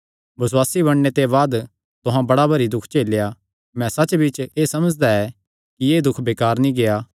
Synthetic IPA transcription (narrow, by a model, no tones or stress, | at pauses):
bɐswaːsibɐɽ̃net̪eβaːd̪ | t̪ʊɦãbɐɽabɐɾid̪ʊkʰt͡ʃeːlja | mɛ̃sɐt͡ʃːbɪt͡ʃeːsɐməd͡ʒd̪aɛ | kijeːd̪ʊkʰbeːkaːɾnĩɡejaː